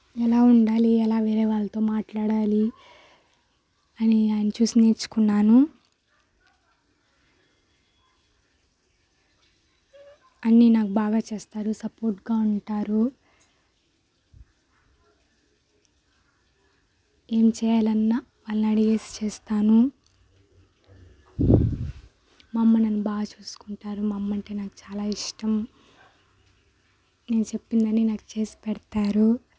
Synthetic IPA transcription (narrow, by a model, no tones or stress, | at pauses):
ɛlaːuɳɖaːliɛlaːʋeːɾeːʋaːlːɐt̪o̞ːmaːʈlaːɽaːli | ɐniaːjɐnɐt͡ʃuːsineːɾt͡ʃːu̥kunːaːnu | ɐnːinaːkubaːɡaːt͡ʃeːst̪aːɾusɐpoːɾʈɡaːuɳʈaːɾu | e̞ːmt͡ʃɛːjaːlɐnːa | ʋaːlːɐɐɽiɡe̞ːsi̥t͡ʃeːst̪aːnu | mɐmːɐnɐnːubaːɡɐt͡ʃuːsu̥kuɳʈaːɾumɐmːɐɳʈe̞ːnaːku̥t͡ʃaːlaːiʂʈɐm | ne̞ːnut͡ʃe̞pːind̪ɐninaːku̥t͡ʃe̞ːsi̥pɛɽt̪aːɾu